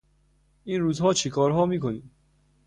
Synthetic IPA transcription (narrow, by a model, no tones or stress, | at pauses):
ʔiːnɾuːzhɒːt͡ʃʰekʰɒːɾɦɒːmiːkʰoniːm